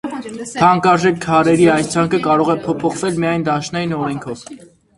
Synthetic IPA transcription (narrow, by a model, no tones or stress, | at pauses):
t̪ʰɑŋkɑɾʒɛkʰːɑɾɛɾiɑjst͡sʰɑŋkʰəkɑɾɔʁɛpʰɔpʰɔχvɛlmijɑjnd̪ɑʃnɑjinɔɾɛŋkʰɔv